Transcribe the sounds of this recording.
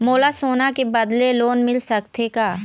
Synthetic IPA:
moːlasoːnakebɐd̪leloːnmɪlsɐkt̪ʰekaː

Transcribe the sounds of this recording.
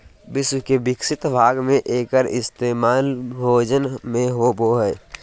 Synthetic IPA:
bɪswkebɪksɪt̪bʱaːɡmẽʔeːkəɾɪst̪eːmaːlbʱoːd͡ʒənmẽɦoboɦɛ

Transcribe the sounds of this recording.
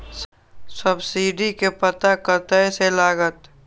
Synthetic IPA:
səbsiːɖikepət̪akəɾt̪əselaːɡət̪

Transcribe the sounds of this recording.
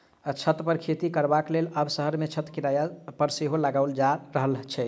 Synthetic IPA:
t͡ʃʰət̪pəɾkʰet̪ikəɾbakleləbsəɦəɾmet͡ʃʰət̪kiɾajapəɾseɦoləɡaʊld͡ʒaɾəɦəlt͡ʃʰɛ

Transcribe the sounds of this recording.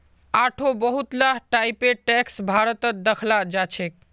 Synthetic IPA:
aʈʰobəɦut̪laɦʈajpeʈɛksbʱaɾət̪əd̪əkʰlad͡ʒat͡ʃʰɛk̚

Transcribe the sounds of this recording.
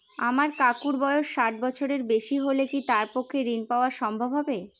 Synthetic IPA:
amaɾkakuɾbɔeoʃʃaʈ̚bɔt͡ɕʰoɾeɾbeʃiɦolekit̪aɾpokʰːeɾinpaoaʃɔmbʱobʱɦɔbe

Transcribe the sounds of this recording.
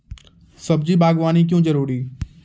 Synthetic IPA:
səb̚d͡ʒiːbaːɡʋaːnik̬jõːd͡ʒəɾuːɾiː

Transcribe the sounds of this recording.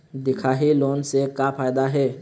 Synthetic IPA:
d̪ɪkʰaːɦiloːnsekapʰaːjd̪aɦɛː

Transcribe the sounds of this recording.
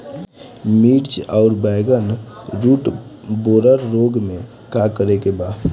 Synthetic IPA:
miːʈt͡ʃɔʊɾbaɪɡənɾuːʈboːɾəɾːoːɡmẽ | kakəɾekebaː

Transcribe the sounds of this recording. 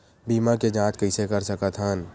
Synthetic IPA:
biːmaked͡ʒãːt͡ʃkɐɪsekɐɾsəkət̪ʰaːn

